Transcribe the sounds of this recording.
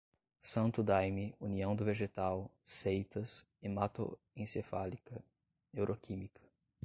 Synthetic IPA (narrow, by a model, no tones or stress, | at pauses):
sɐ̃nt̪ʊd̪ajmiuniɐ̃w̃d̪ʊveʒet̪awsejt̪ɐs | emat̪o̰ | ẽsefalikɐ | newɾʔokʰĩmikʰɐ̥